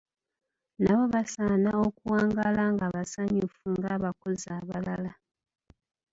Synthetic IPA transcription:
naβo̞βasaːnaokuwaːŋɡalaŋɡaβasaɲufuŋɡaβakozaːβalala

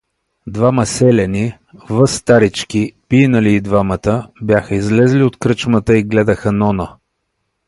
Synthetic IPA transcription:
d̪vaməsɛlʲɛni | vɤst̪aɾit͡ʃkipinəliːd̪vamət̪əbjaxəizlɛzliot̪kɾɤt͡ʃmət̪əiɡlɛd̪əxənɔnə

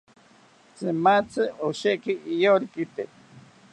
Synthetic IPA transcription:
t͡sɨmat͡sʰɨoʃekiʔːjoɾikit̪e

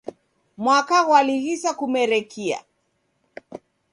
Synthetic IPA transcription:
mwakaɣwaliɣisakumɛɾɛkʰia̰

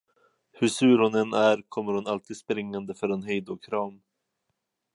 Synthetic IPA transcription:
hɵʂʉ̟ːɾhʊnɛnæɾkʰɔmːəɾhʊnalt̪ʰiːd̪spɾɪŋːand̪əfœɾɛnɦejd̪ʊkʰɾɑːm

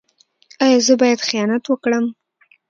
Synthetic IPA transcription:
ɑjɑzəbɑjad̪xijɑnat̪wəkɽəm

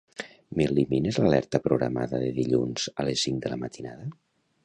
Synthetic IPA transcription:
meliminezlalɛɾt̪əpɾuɣɾama̰ðəðeðiʎunz̥alesːiŋd̪ələmat̪ʰinaðə

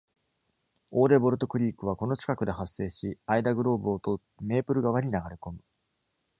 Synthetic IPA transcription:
o̞ːɾe̞bo̞ɾɯ̟t̪ːo̞kɯ̟ɾʲiːkɯ̟β̞ako̞no̞t͡ɕi̥kakɯ̟d̪e̞ɦasːe̞ːɕiaid̪aɡɯ̟ɾo̞ːbɯot̪ot̪me̞ːpɯ̟ɾɯ̟ɡaβaɲ̟inaɡaɾeko̞mɯ̟

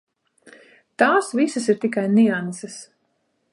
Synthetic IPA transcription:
t̪aːsvisas̬iɾt̪ikajniansas

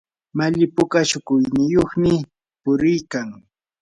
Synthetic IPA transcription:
maʎɪpʊkaʃʊkʊjnɪjoχmɪ | pʊɾɪjkaŋ

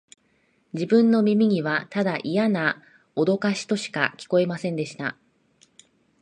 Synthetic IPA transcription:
d͡ʑibɯ̟̃nːo̞mʲimʲiɲ̟iβat̪ad̪aʔijana | o̞d̪o̞kaɕi̥t̪o̞ɕi̥kakʲi̥ko̞e̞masẽnd̪e̞ɕi̥t̪a̰

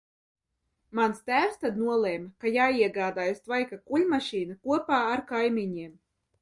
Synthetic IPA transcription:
manst̪æːwst̪ad̪nuɔlˠeːmkajaːiɛɡaːd̪aːjust̪vajkakuʎʲmaʃiːnakuɔpaːaɾkajmiɲiɛm

